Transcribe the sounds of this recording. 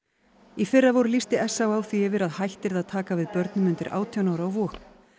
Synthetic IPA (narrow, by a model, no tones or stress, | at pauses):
ifɪrːavowɾʏlist̪ɪɛsːawaːwθiɛːvɪɾaðhajht̪ɪɾðaðt̪ʰaːkavɪðpœɾt̪nʏmʏnt̪ɪɾʔa̰ːwt̪ʰjɔwnaːwɾaɔvɔːhkn